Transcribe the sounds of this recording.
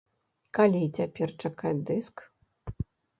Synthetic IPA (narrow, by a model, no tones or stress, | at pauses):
kalʲit͡sʲapʲɛrt͡ʂakad̪ɨsk